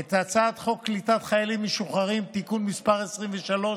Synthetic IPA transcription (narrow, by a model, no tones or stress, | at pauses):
et̪at͡sat̪χo̞kːlit̪at̪χajalimːeʃuχaʁimt̪ikunmispaʁesʁimveʃalo̞